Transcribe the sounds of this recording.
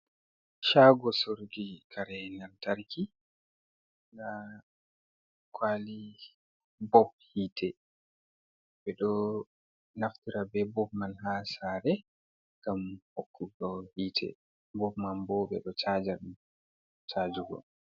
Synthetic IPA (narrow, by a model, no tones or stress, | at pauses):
ʃaːɡɔsoɾɡikʰaɾɛnaltaɾkʰi | ɡa | kʰwali | bɔb̚hiːtʰɛ | ɓɛɗɔ | naftiɾabɛbɔb̚manɦasaɾɛ | ŋɡamhokʰːuɡɔhiːtʰɛ̰ | bɔbmambɔɓɛ̰ɗɔt͡ʃaːd͡ʒaɗum | t͡ʃad͡ʒuɡɔ̰